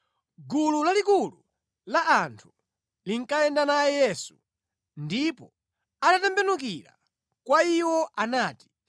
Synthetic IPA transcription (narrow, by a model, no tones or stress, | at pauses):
ɡululalikulu | laʔantʰu̥ | liŋkaɛndanajɛjɛsu | ndipɔ | anatɛmbɛnuk̬iɾa̰ | kwaiwɔʔanaːti̥